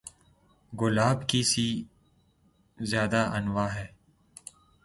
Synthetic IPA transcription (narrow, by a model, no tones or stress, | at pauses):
ɡʊlaːbkisi | zjaːd̪aʔɐnʋaːɦɛː